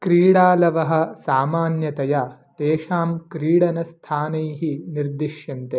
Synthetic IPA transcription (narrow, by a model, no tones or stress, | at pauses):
kɾiːɽaːlɐʋɐɦɐ̆saːmaːnjɐt̪ɐja | t̪eːʃaːmkɾiːɽɐnɐst̪ʰaːnɐjɦiniɾd̪iʃjɐnt̪e